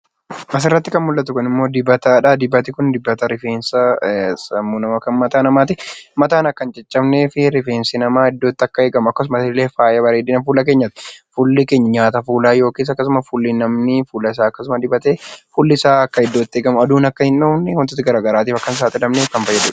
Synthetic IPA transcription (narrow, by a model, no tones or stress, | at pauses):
mɐs̬ɪrːɐt̪ːɪkɐnmʊlːɐt̪ʊkʊnɪmːo̞ːd̪ɪbɐt̪aːᶑɐd̪ɪbːɐt̪ɪkʊnd̪ɪbːɐt̪ɐɾɪfeːnsɐsɐmːuːnɐmɐkɐnmɐt̪aːnɐmaːt̪̬ɪmɐt̪aːnɐkːɐnd͡ʒɛt͡ʃʼːɐmneːfɪɾɪfeːnsɪnɐmaːhɪd̪ːo̞ːt̪ːɪɐkːɐeːɡɐmʊɐkːɐs̬ʊmɐsɪleːfaːjɐbɐɾeːd̪iːnɐfuːlɐk̬e̞ːɲːɐt̪ɪ̥fulːɪke̞ːɲːɐɲaːt̪ɐfuːlaːjo̞ːkiːs̬ɐkːɐs̬ʊmɐfulːɪnɐmnɪfuːlɐɪs̬aːɐkːɐsʊmɐd̪ɪbɐt̪eːfulːɪɪsaːɐkːɐɪd̪ːoːt̪ːɪeːɡɐmʊɐd̪uːnɐkːɐhɪnːoːnɛkɔnt̪oːt̪ːɪɡɐɾaːɡɐɾaːt̪iːfɐkːɐns̬aːt̪ʼɪlɐmneːkɐnfɐjːɐd̪uᶑɐ̥